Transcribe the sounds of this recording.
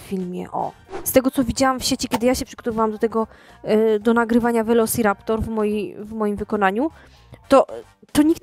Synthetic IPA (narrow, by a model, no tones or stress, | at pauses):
ffʲilmʲjɛ̰ʔɔ̰st̪ɛɡɔt̪sɔvʲid͡ʑawamfɕɛt͡ɕikʲjɛd̪ɘjaɕɛpʂɘɡ̥ɔt̪ɔvawamd̪ɔt̪ɛɡɔ | d̪ɔnaɡɾɘvaɲavɛlɔsiɾapt̪ɔɾvmɔjivmɔjimvɘkɔn̪aɲu | t̪ɔ | t̪ɔɲik̪